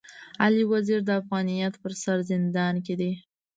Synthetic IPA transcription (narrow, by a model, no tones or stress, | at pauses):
aliwaziɾd̪əafɣɑnijɑt̪pəɾsaɾzɪnd̪ɑnk̬ed̪e